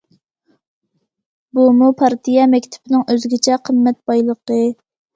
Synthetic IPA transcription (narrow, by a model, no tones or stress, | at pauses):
bumupʰɑɾt̪ʰijɛmɛkʲt̪ʰu̥pɪnɪŋʔøzɪɡʲɪt͡ʃʰɛqʰəmːɛt̪̚bɑjlˠəqə